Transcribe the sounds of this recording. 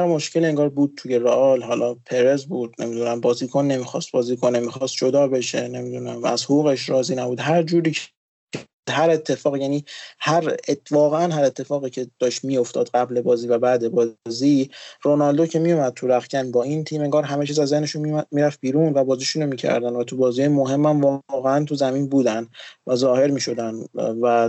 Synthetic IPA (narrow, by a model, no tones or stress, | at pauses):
æɾmo̞ʃcʰe̞lieŋɡɒːɾbuːd̪̚t̪ʰuːjeɾoʔɒlɦɒːlʔɒːpʰe̞ɾezbuːd̪̚ne̞̰mid̪unæmbɒːzikʰonːe̞mixɒst̪̚bɒːziːkʰonemixɒːst̪̚d͡ʒod̪ɒːbe̞ʃene̞mid̪unæmæ̰zhoɣuːɣeʃɾɒːziːnæbuːd̪ɦæɾd͡ʒuːɾiːcʰ | d̪hæɾe̞t̪ʰːe̞fɒːɣjæːniːhæɾevɒːɣeænɦæɾet̪ʰːe̞fɒːɣiːcʰe̞d̪̥ɒːʃt̪mijo̞ft̪ʰɒ̰ːd̪ɢæble̞bɒːziːvæbæd̪e̞bɒːziːronɒld̪ocʰe̞mijomæd̪̥̚t̪ʰuɾæxcʰænbɒːint̪ʰiːmeŋɡɒːɾɦæmet͡ʃʰiːzæzːe̞hne̞ʃunimiːɾæfbiːɾuːnvæbɒːziːʃunomiːcʰæ̰ɾd̪ænd̪væt̪ʰubɒːzijɒjmo̞ɦe̞mːæmvɒɣeænt̪ʰuzæmiːnbuːd̪ænd̪væzɒːhe̞ɾmiːʃo̞d̪ænvæ